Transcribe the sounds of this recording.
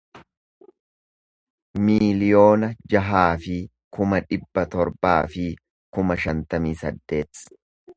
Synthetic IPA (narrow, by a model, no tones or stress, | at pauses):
miːlɪjo̞ːnɐd͡ʒɐɦaːfɪ | kʊmɐᶑɪbːɐt̪ɔɾbaːfɪ | kʊmɐʃɐnt̪ɐmiːsɐ̰d̪ːe̞ːt̪